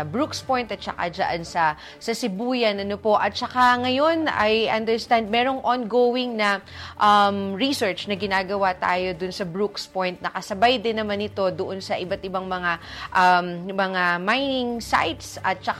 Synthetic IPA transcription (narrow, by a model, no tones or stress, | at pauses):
bɹukspo̞jnt̪ɐt̪̚t͡ʃɐ̰ka̰d͡ʒɐ̰ʔansɐ | sɐsɪbuːjɐnɐnopo̞ʔɐt̪̚t͡ʃɐkaŋɐjo̞nɐ̰jʔɐnd̪ɛɹst̪and̪̚mɛːɾo̞ŋʔonɡoːwɪŋnɐʔɐmɹisɛɹt͡ʃnɐɡɪnaːɡɐwat̪a̰ːjo̞d̪ʊnsɐbɹukspojnt̪̚nɐkɐsɐbajd̪ɪnːɐmanːɪt̪o̞d̪oʔo̞nsɐʔɪbat̪ʔɪbaŋmɐŋaʔɐmmɐŋamajnɪŋsa̰jt̪sʔɐt̪̚t͡ʃɐk